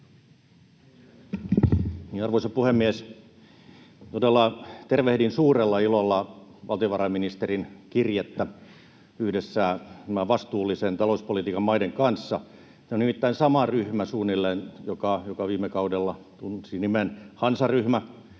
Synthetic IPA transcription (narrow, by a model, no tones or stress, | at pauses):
niːnɑrʋoisɑpuhemːies | t̪odelːɑt̪erʋehdinsuːrelːɑilolːɑʋɑlt̪ioʋɑrɑiminist̪erinkirjet̪ːæ | yhdesːæːt̪æmæʋɑst̪uːlːisent̪ɑlouspolit̪iːkɑmmɑideŋkɑnsːɑ | t̪æonimit̪ːæinsɑmɑryhmæsuːnːilːenjokɑjokɑʋiːmːekɑudelːɑ | t̪unsinimenhɑnsɑryhmæ